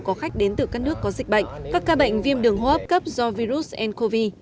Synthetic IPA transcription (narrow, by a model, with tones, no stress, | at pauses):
kɔ˨˦xa˦˥k̟̚ɗe˨˦nt̪ɨ˨˩kaː˦˥k̚nɨ˦˥əkːɔ˨˦zï˨˩k̟̚ɓə̰˧˨jŋ̟kaː˦˥kːaː˧ɓə̰˧˨jŋ̟vi˧əmɗɨ˨˩əŋɦo˧˦ʔə˦˥p̚kə˦˥p̚zɔ˧vi˧zu˦˥t̚ʔɛ˧nko˧vi˧